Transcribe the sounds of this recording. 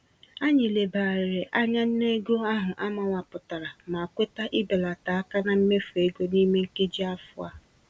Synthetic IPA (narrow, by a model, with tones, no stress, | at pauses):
a˦ɲɪ˨le˨baː˨ɾe˨ʔa˦ɲa˦n̩˦ne˦ɡo˦a˦ɦʊ˨ʔa˦ma˨ŋʷa˨pʊ˨ta˨ɾa˨ma˨a˨kʷe˦ta˦ʔɪ˦be˨la˨ta˨a˦ka˦na˦m̩˦me˦fu˨e˦ɡo˦ni˦me˦ŋ̩˦ke˦d͡ʒi˦a˦fʊ˦a̰˦